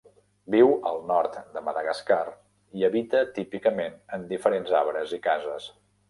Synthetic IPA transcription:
biwəlˠnɔɾt̪d̪əməðəɣəskar | iəβit̪ət̪ipikəmenənd̪ifəɾenzaβɾəzikazəs

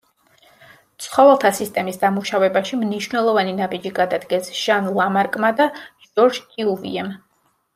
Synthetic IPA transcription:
t̪sʰχɔvɛlˠt̪ʰasist̪ʼɛmisd̪amuʃavɛbaʃimniʃwnɛlˠɔvaninabid͡ʒiɡad̪ad̪ɡɛsʒ̥anlˠamaɾkʼmad̪a | d͡ʒɔɾd͡ʒkʼiuvḭɛm

